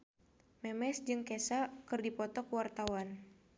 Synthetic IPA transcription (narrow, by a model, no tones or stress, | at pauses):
mɛmɛsd͡ʒɨŋkɛsakɨrdipɔt̪ɔkwart̪awan